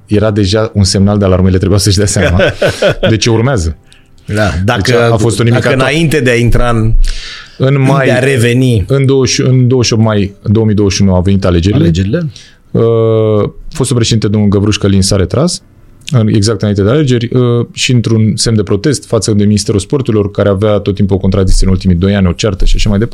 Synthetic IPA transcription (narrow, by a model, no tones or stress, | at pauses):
je̞ɾad̪e̞ʒaunse̞mnald̪ealaɾmeileɾebujasəʃd̪aseamad̪e̞t͡ʃe̞urmeazə | d̪ad̪aekafo̞st̪onimikaɨnaaint̪e̞d̪eaint̪ɾa | ɨnmaj̪eaɾeveniɨnd̪o̞wəʃɨnd̪o̞wəʃiot̪majd̪o̞omid̪o̞wəʃiunuave̞nit̪ale̞d͡ʒe̞ɾilei | ə | fost̪ulpɾeʃed̪int̪ed̪onulɡəbɾuʃkəlinsaɾe̞t̪ɾʔas | ɨeɡzakt̪ɨnaint̪ed̪eale̞d͡ʒe̞rʲəʃiɨnt̪ɾunsemd̪e̞pɾo̞t̪e̞st̪fat̪səd̪e̞minist̪e̞ɾuspo̞rt̪uɾilo̞rkaɾeaveat̪ot̪ːimpuokont̪ɾad̪iksijəɨnult̪imijd̪o̞janʲo̞t͡ʃart̪əʃiaʃamajd̪epa